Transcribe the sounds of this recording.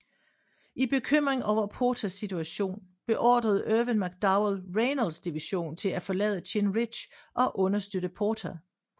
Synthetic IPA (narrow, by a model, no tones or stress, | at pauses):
ʔib̥e̝kʰøm̰ʁeŋɒʊ̰ɐpʰo̝ːt͡sʰæsːit͡sʰuæɕo̝̰ːnb̥e̝ʔɒ̰ːd̥ʁɐð̩ˠʔøʋənmæɡ̥̚d̥ɑʊlʁeɪnəlsd̥iʋiɕo̝̰ːnt͡sʰe̝læfɒ̽lɛ̰ːðˠɕʰenʁid̥ɕʔɒ̽ʔɔ̽nɐsd̥øɾəpʰoːt͡sʰæ